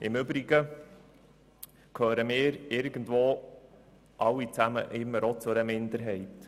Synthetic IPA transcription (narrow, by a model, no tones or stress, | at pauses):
ɪmʏbɾiɡ̥ə | kʰøːɾəmɪːɾɪɾɡ̥əndvoː | ʔɑlːit͡sæmə̰ʔɪmːəɾot͡sʊɾəmɪnd̪əɾɦɛɪt